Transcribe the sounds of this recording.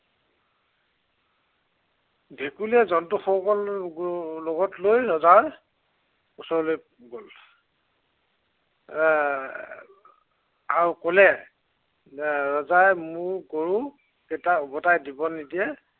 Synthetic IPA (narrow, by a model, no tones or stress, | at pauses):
bʱekulɛzɔntuxɔkɔl | lɔɡɔtlojɹɔzaɹ | usɔloj | ɡol | aɹukɔlɛ | ɹɔzajmuɹkoɹu | kɛtaɔbɔtajdibɔnidiɛ